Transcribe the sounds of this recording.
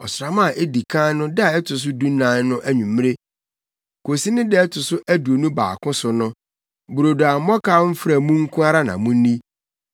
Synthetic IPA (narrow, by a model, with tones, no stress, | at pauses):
ɔ˨sɾa˨mã˦˨ʔe˦di˨kʰã˦nʊ̃˦da˨ɛ˦tʰʊ˨s̬ʊ˦du˦nã˨˦n˦nʊ̃˦ʔæ˦ɲũ˨m˦e˦ | kʰo˨si˦nɪ̃˦dɛ˦ɛ˦tʰʊ˨sʊ˦ʔæ˦du˨o˨nũ˦ba̰ː˨kʰʊ̃˦sʊ˨nʊ̃˦ | bu˨ɾo˨du˨a˨m̩˨mɔ˦kaː˦m̩˦fɾa˨mũ˦ŋ̩˦kʰʊ̃˦a˦ɾa˦nã̰˨mũ˦nĩ˦